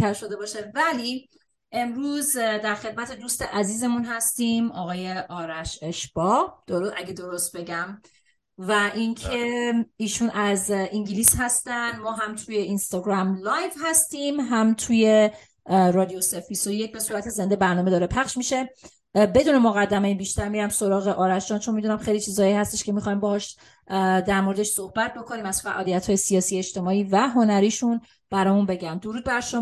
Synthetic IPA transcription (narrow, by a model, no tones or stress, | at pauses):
t̪ʰæɾʃod̪e̞bɒːʃevæli | ʔe̞mɾuːzd̪æɾxe̞d̪̚mæt̪ʰe̞d̪uːst̪eʔæziːze̞munɦæst̪iːmɒɣɒːje̞ʔɒːɾæʃe̞ʃb̥ɒd̪̥oɾoæɡed̪o̞ɾost̪̚be̞ɟæm | væʔiŋcʰe̞iːʃuːnæziŋɟiliːsɦæst̪ænd̪mɒːɦæmt̪ʰujeinst̪ɒɡɾæmlɒːjvhæst̪iːmɦæmt̪ʰuːje̞ | ɾɒd̪iosefbisojec̚be̞suːɾæt̪ʰeze̞nd̪ebæɾnɒːmed̪ɒːɾepʰæχʃmiʃe̞ | be̞d̪uːne̞moɣæd̪ːæmejibiʃt̪æɾmiɾæmso̞ɾɒːɣeʔɒːɾæʃɒːnt͡ʃʰo̞nmid̪unæmχejlit͡ʃʰiːzɒːjiːhæst̪eʃcʰe̞mixɒjmbɒhɒːʃ | d̪æɾmoɾe̞d̪eʃsohbæt̪̚ʰbo̞kʰo̞niːmæz̥fæʔɒːlijæt̪ʰhɒːje̞sijɒːsiːeʃt̪e̞mɒːiːvæɦo̞næɾiːʃun | b̥æɾɒːjunbe̞ɟæmd̪oɾuːd̪̚bæɾʃo